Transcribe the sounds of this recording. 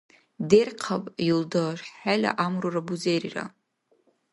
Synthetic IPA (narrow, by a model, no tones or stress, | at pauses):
derqʰapʼildaʃħalʲa̰ʔamrurabuzejrira̰